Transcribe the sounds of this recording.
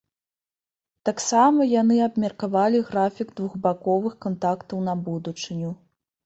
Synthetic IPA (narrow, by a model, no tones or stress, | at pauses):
t̪aksamɐjanɨabmʲɐrkavalʲiɣɾafʲiɡd̪vuɣbakɔvɨxkant̪akt̪ɐwnɐbud̪ut͡ʂɨnʲu